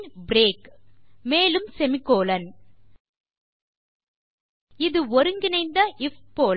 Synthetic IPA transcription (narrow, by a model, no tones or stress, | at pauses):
bɾeːkmeːlɯmsɛmɪkːoːlɐn | ɪðɯɔɾɯŋɡɪnɐɪnd̪ɐʔɪfpoːl